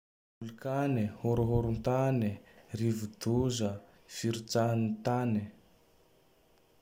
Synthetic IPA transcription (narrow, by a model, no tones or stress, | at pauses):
ulukanehoɾuɦoɾunt̪anirivud̪uzə | fiɾut͡sanit̪ani